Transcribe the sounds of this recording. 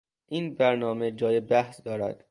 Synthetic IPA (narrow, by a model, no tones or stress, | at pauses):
ʔiːnbæɾnɒːme̞d͡ʒɒːjebæhsd̪ɒːɾæ̰d̪̥